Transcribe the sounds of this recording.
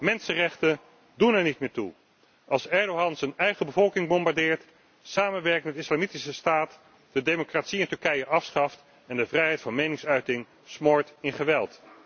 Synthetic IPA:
mɛnsərɛχtə | dunɛɹnit̚mɪːɹtu | ʔɑlˠsɛɹdowɦɑnzənɛjχəbəvɔlˠkɪŋbɔmbaɹdɪːɹt | saːmənʋɛɹk̚tmɛtɪslaːmitisəstaːt | d̥ədejmokratsiɪntɵɹkɛjəʔɑfsχɑft | ɛndəvrɛjɦɛjtfɑnmejnɪŋsœɥtɪŋ | smɔɹtɪnχəʋɛlˠt

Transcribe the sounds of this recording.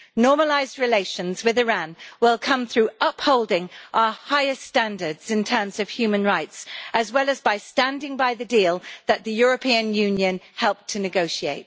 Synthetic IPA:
nɔːməlaɪzdɹɪleɪʃə̃nzwɪðɪɹæ̃nwɪlˠkʰʌ̃mθɹʉːʔʌphoʊlˠdɪ̃ŋʔaʊəhaɪɪsttæ̃ndə˞dz̥ɪ̃ntʰɜ̃˞mz̥əv̥hjʉːmə̃nɹaɪtsʔəzwɛlˠəzbaɪstæ̃ndɪ̃ŋbaɪðɨdiːlˠðəʔ̪̚ðɨjɔɹəpʰĩɨ̃njʉ̃njɨ̃nhɛlˠp̚tʰɨnɨɡoʊʃieɪt̚

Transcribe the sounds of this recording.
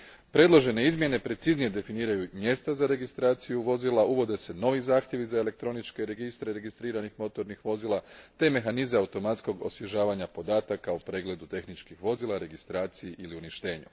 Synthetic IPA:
pɾe̞d̪lˠo̞ʒe̞ne̞izmje̞ne̞pɾe̞t̪siznije̞d̪e̞finiːɾajumje̞st̪azaɾe̞ɡist̪ɾaːt̪sijuʋo̞zilˠaʔuʋo̞d̪e̞se̞no̞ʋizaːxt̪je̞ʋizaele̞k̚t̪ɾo̞nit͡ʃkeɾe̞ɡist̪ɾe̞ɾe̞ɡist̪ɾiːɾanixmo̞t̪o̞ɾnixʋo̞ziːlat̪e̞me̞xanizeaut̪o̞mat̪sko̞ɡo̞̰sʋjeʒaːʋaɲapo̞d̪aːt̪akaupɾe̞ːɡle̞d̪ut̪e̞xnit͡ʃkixʋo̞ziːlˠaɾe̞ɡist̪ɾaːt̪sijeʔiliuniʃt̪e̞ːɲṵ

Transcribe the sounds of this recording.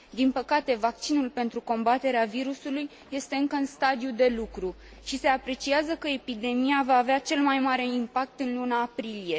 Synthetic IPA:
d̪inpəkat̪e̞vak̚t͡ʃinulpe̞nt̪ɾuko̞mbat̪e̞ɾeaviɾusulujːe̞st̪e̞ɨŋkəɨnst̪ad̪iud̪e̞lukɾu | ʃise̞apɾe̞t͡ʃiazəkəe̞pid̪e̞miavaːveat͡ʃe̞lmajmaɾe̞impak̚t̪ɨnlunaːpɾilije̞

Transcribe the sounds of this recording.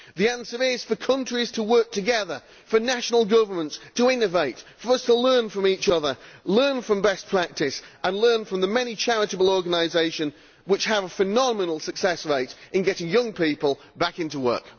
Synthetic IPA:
ðiãnsə˞ɪz̥fə˞kʰʌ̃nt͡ʃɹ̥iz̥tʰəwɜ˞k̚tʰɨɡɛðə˞ | fə˞naʃənl̩ˠɡʌvə˞mə̃ntstʰəɪ̃nɨveɪtfə˞ʌstʰəlɜ̃˞nfɹʌ̃miˑt͡ʃʌðə˞lɜ̃˞nfɹʌ̃mbɛspʰɹ̥æk̚tɪsʔə̃nlɜ̃˞nfɹʌ̃mðəmɛnit͡ʃʰæɹɪɾəbl̩ˠɔɹɡənaɪzeɪʃɨ̃n | wɨt͡ʃhəvəfənɑmənl̩ˠsɨksɛsɹeɪɾɨ̃nɡɛɾɪ̃ŋjʌ̃ŋpʰiˑpəl̩ˠ | bakɪ̃ntuwɜ̰˞k

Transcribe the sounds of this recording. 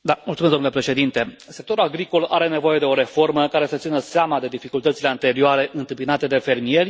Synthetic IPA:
d̪amultsumesd̪omnulepɾeʃe̞d̪int̪e̞ | sek̚t̪o̞ɾulaɡɾiko̞la̰ɾe̞ne̞vo̞je̞d̪e̞o̞ɾe̞fo̞rməkaɾe̞sət̪sinəseamad̪e̞d̪ifikult̪ət̪sile̞ant̪e̞ɾioaɾe̞ʔɨnt̪ɨmpinat̪e̞d̪e̞fe̞rmije̞rʲ

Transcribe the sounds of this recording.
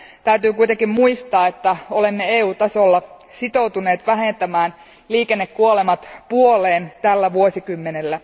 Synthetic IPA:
t̪æyt̪yːkuijt̪eŋkimmuist̪ɑːet̪ːæo̞lemːeeːuːt̪ɑsolːɑ | sit̪owt̪une̞ːt̪ʋæɦe̞nt̪æmæːn | liːkenːekkuolemɑt̪puoleːnt̪ælːæʋuosikymːenelːæ

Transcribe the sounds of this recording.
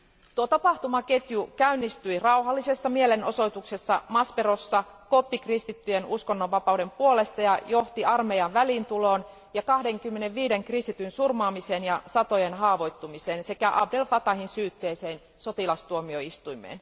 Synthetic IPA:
t̪uot̪ɑpɑht̪umɑket̪jukæynːist̪yirɑwɦɑlːise̞sːɑmieleno̞̰so̞jt̪ukse̞sːɑmɑsperosːɑkop̪ːikrist̪it̪ːyjenuskonːoʋːɑpɑwde̞mpuole̞st̪ɑjɑjo̞ht̪iʔɑrmejɑʋʋælint̪ulo̞ːn | jɑkɑhde̞ŋkymːene̞ʋʋiːdeŋkrist̪it̪ynsurmɑːmiseːnjɑsɑt̪ojenɦɑːʋo̞jt̪ːumiseːnse̞kæʔɑbdelfɑt̪ɑhinsyːt̪ːe̞ːseːn | so̞t̪ilɑst̪uomio̞ist̪uimḛːn

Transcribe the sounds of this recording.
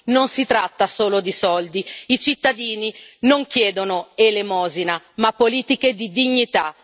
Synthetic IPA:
nonsit̪ɾat̪ːasoːlod̪isɔld̪iit͡ʃit̪ːad̪iːninoŋk̟jɛːd̪onoelemɔːzina | mapːoliːt̪iked̪id̪iɲːit̪a

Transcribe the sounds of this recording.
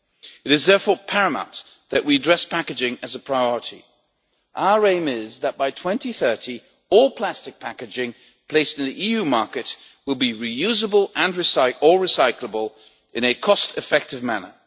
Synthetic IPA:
ɨɾɨzðɛɹfɔɹpʰɛɹɨma̰t̪̚ | ðɨʔwiɨdɹɛspʰækɨd͡ʒɪ̃ŋɨzəpʰɹ̥aɪɔɹəɾḭ | ʔaʊə˞ẽɪ̃mɪzðɨt̚b̥aɪtʰw̥ɛ̃ntiθɜ˞ɾi | ɔlˠpʰl̥æstɨk̚pʰækɨd͡ʒɪ̃ŋ | pʰl̥eɪstɨ̃n̩ðiʔijʉmɑɹkɨt̚ | wəlˠbiɹijʉzəbəlˠɨ̃nɹɨsaɪə˞ɹɨsaɪkləbəlˠ | ʔɨ̃ñɨkʰɔstʰɨfɛk̚tɨvmænə̰˞

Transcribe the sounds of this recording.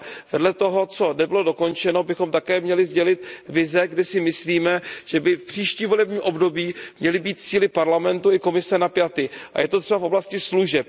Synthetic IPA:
vɛdlɛt̪o̞ɦo̞t͡so̞nɛbɪlo̞do̞ko̞nt͡ʃɛno̞bɪxo̞mt̪akɛːmɲɛlɪzɟɛlɪt̪vɪzɛɡdɛsɪmɪsliːmɛʒ̥ɛbɪfpr̥iːʃciːmvo̞lɛbɲiːmʔo̞bdo̞biːmɲɛlɪbiːt̪̚t͡siːlɪpaɾlamɛnt̪uɪko̞mɪsɛnapjat̪ɪʔa̰jɛt̪ot̪r̥ɛbafo̞blascɪsluʒɛp̚

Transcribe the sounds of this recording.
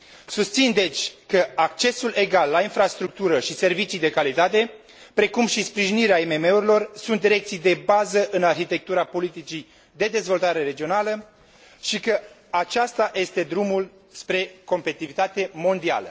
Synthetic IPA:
sust̪sind̪e̞t͡ʃʲkəak̚t͡ʃe̞sule̞ɡalːainfɾast̪ɾuk̚t̪uɾəʃise̞rvit͡ʃijd̪e̞kalit̪at̪e̞ | pɾe̞kumʃispɾiʒiniɾeaime̞me̞uɾilo̞rsunt̪d̪iɾe̞kt̪sijd̪e̞bazəʔɨnarçit̪e̞k̚t̪uɾapo̞lit̪it͡ʃij | d̪e̞d̪e̞zvo̞lt̪aɾe̞ɾe̞d͡ʒio̞nalə | ʃikə | at͡ʃast̪aje̞st̪e̞d̪ɾumul | spɾe̞ko̞mpeit̪ivit̪at̪e̞mo̞nd̪ia̰lə̰

